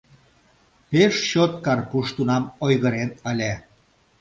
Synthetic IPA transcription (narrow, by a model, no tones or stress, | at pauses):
peʃɕot̪̚kɑrkuʃt̪unɑmojɣəɾenəlʲæ